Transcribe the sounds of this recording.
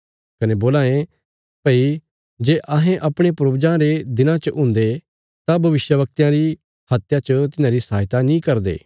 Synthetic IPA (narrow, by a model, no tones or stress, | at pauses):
kɐneboːlaːẽ | pəːi | d͡ʒeːʔɐɦẽʔɐpɽ̃epɾoːbd͡ʒãɾed̪ɪnãt͡ʃəʔʊ̃nd̪e | t̪abʱɐʋɪʃjəʋɐk̚t̪ijãɾi | hɐt̪jat͡ʃət̪ɪnãɾisaːɦɪt̪anĩkɐɾd̪ḛː